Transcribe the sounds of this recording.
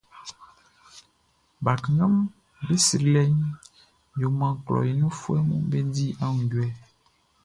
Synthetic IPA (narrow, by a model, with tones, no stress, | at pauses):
ba˨kŋã˦m | be˦si˨ɾlɛ˦ɲ˦ | jo˨mã˨klɔ̰˨je˨ɲũ˦fu˦ɛ˦mṵ̃˦be˦di˦a˦ŋũ˨ɟu˨ɛ˦